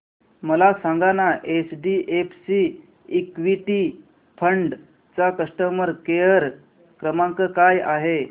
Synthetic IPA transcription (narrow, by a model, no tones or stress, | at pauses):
məlasaŋɡanaʔet͡sɖiʔepsiː | kʋiʈi | pʰəɳɖ | t͡sakəsʈəməɾkejəɾ | kɾəmaŋkəkajaɦe